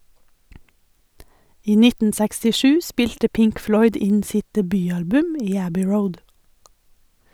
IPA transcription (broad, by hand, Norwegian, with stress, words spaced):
ˈiː ˈnɪtn̩ sɛkstɪˈʃʉː ˈspɪʎtə ˈpɪŋk ˈflɔʏd ˈɪɲ ˈsɪt dɛˈbyːˌɑlbʉm ˈiː ˈæbʏ ˈɹəʊd